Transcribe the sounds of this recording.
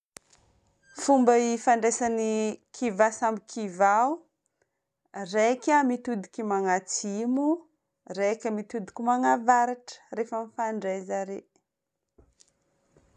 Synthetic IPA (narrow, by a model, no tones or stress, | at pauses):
fumbəifaɳɖ͡ʐesanikʰivasambikʰivaw | rekʲamit̪ud̪i̥kʲimaŋat͡simu | rekʲəmit̪ud̪i̥kʲimaŋavaɾaʈ͡ʂə̥refəmifaɳɖ͡ʐezaɾe